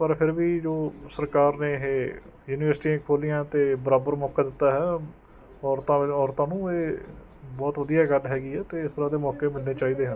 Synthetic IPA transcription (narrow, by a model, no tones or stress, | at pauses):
pəɾpʰɪɾʋiːd͡ʒoːsəɾkaːɾneːɦeː | juːnɪʋəɾsʈiːãːkʰoːlijãːt̪eːbəɾaːbəɾmɔːkaːd̪ɪt̪ːaːɦɛː | ɔːɾt̪ãːɔːɾt̪ãːnũːeː | bɔːt̪ʋəd̪ijaːɡəlɦɛːɡiːɛːt̪eːɪst̪əɾãːd̪eːmɔːkeːmɪlneːt͡ʃaːiːd̪eːɦən